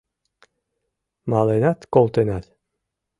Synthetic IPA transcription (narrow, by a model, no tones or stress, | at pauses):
malenat̪kolˠt̪enat̪ʲ